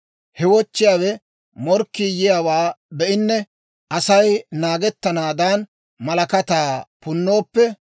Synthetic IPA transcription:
hɛwɔt͡ʃːɪjaːwɛ | mɔɾkːijɪjawaːbɛʔɪnːɛ | ʔɐsɐjnaːɡɛt̪ːɐnaːd̪aːn | mɐlɐkɐt̪aːpʊnːo̞ːpːɛ

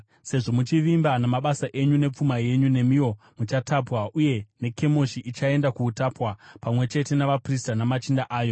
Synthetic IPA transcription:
se̞ʐo̞mut͡ʃiʋimbanamaɓasaʔe̞ɲune̞p͡fumaje̞ɲune̞mio̞ | mut͡ʃatapwaʔuje̞ne̞ke̞mo̞ʃiʔit͡ʃae̞ndakuːtapwapamwe̞t͡ʃe̞te̞naʋapristanamat͡ʃindaʔaːjo̞

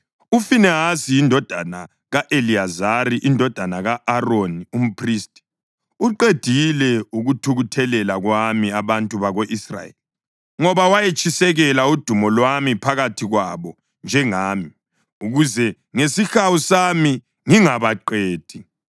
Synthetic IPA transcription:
ufinɛɦasijindʱɔd̥ʱana | ɣaʔeliazariʔindʱɔd̥ʱanaɣaːronium̩pʰriːstʼi̥ | uǃed̥ʱilɛuɣutʰuɣutʰɛlɛlaɣwamiaβantʼuβaɣoʔisra̰jḛli | ŋɔβawajet͡ʃʼisɛɣɛlaud̥ʱumɔlwamipʰaɣatʰiɣwaβɔ | nd͡ʒʱɛŋaːmi | uɣuzɛ | ŋesixawusami | ŋiŋaβaǃeːd̥ʱi

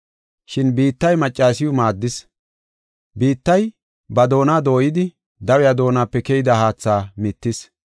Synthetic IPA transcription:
ʃɪnbiːt̪ːɐjmɐt͡ʃʼːaːsɪjʊmaːd̪ːɪs | biːt̪ːɐj | bɐd̪o̞ːnaːd̪o̞ːjɪd̪ɪ | d̪ɐwɛjaːd̪o̞ːnaːpːɛkɛjɪd̪ɐhaːt͡sːaːmɪt̪ːɪs

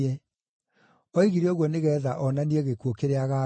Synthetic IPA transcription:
ɛ | ɔiɣiɾeoɣwɔneɣɛːðaʔɔnanieɣekuokeɾeaɣa

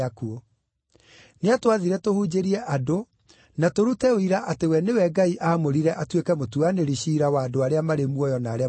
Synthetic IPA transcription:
akuo | neatwaðiɾɛtohuːd͡ʒeɾiɛʔado | natoɾutɛoiɾaʔatewɛnewɛɡaiʔaːmoɾiɾɛʔatwekɛmotuaneɾiɕiːɾawaːdoaɾeamaɾemuɔjɔnaːɾea

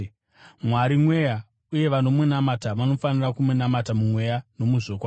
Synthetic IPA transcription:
mwaɾimwe̞ja | uje̞ʋano̞munamataʋano̞fanirakumunamatamumwe̞jano̞muʐoːkwa

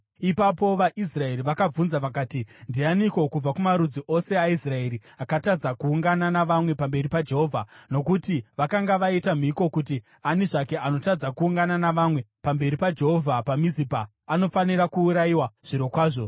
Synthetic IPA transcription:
ipapo̞ʋaʔis̬rae̞ɾiʋakab͡vunzaʋakaːtindianiko̞kub͡vakumaɾud͡ziʔo̞se̞aisrae̞ːɾiakatad͡zakuːŋɡananaʋamwe̞pambe̞ripad͡ʒe̞ɦo̞vʱano̞kutiʋakaŋɡaʋaitamiko̞kut̬i | aniʐake̞ʔano̞tad͡zakuːŋɡananaʋamwe̞pambe̞ɾipad͡ʒe̞ɦovʱapamizipaː | no̞faniɾakuːɾaiwaʐ̥iɾo̞kwaːʐo̞

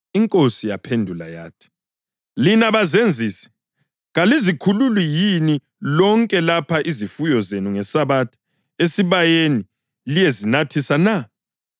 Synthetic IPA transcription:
iŋkʼosijapʰendʱula̰ja̰ːtʰi̥ | linaβazend͡zʱiːsɛ̥ | ɣalizikʰululwijini | lɔŋkʼɛlapʰaʔizifujɔzenuŋɛsaβatʰɔ̥ | esiβajeni | lijezinatʰisana

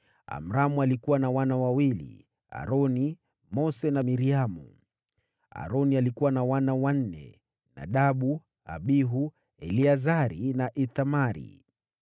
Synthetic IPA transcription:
a̰m̩ɾamualikuwanawanawawilḭ | a̰ɾɔni | mɔsɛnamiɾiamṵ | a̰ɾɔnialikuwanawanawan̩nɛ̰ | na̰ɗaɓu | a̰ɓiɦu | ɛliazaɾinaʔiθamaɾḭ

